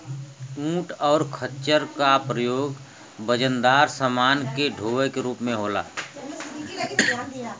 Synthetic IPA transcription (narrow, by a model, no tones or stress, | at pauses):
ũːʈɔːɾkʰətːt͡ʃəɾkapɾəjoːɡ | bəd͡ʒənd̪aːɾsəmaːnkeɖʱoːʋəkeɾuːpmẽɦoːla̰ː